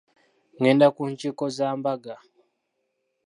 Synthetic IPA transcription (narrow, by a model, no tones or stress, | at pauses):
ŋɛndakunt͡ʃikɔzambaɡa